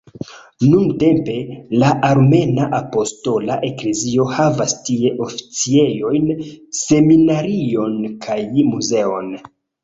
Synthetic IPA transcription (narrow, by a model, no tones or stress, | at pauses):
nunte̞mpe̞laʔaɾme̞naʔapo̞sto̞laʔe̞kle̞zio̞havastie̞ʔo̞fi̥t͡sie̞jo̞jnse̞minaɾio̞nkʰajmuze̞o̞n